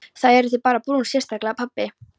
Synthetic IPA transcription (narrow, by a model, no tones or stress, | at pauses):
θaðɛɾθɪpaːɾapɾunsjɛst̪aklapʰapːɪ